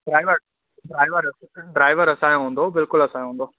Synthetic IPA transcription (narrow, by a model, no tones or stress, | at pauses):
ɖɾaːɪʋəɾ | ɖɾaːɪʋəɾɖɾaːɪʋəɾɐsãːj̃ɦũːn̆d̪obɪlkʊlɐsãːj̃ɦũːnd̪oː